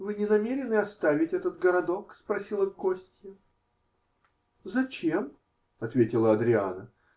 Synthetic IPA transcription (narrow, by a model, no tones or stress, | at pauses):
vɨnʲɪnɐmʲeɾʲɪnɨɐst̪avʲɪtʲɛt̪ət̪̚ɡəɾɐd̪o̞kspɾɐsʲilˠəvkosʲtʲɪjə | zɐt͡ɕem | ɐt̪vʲetʲɪlˠəɐd̪ɾʲɪa̰nə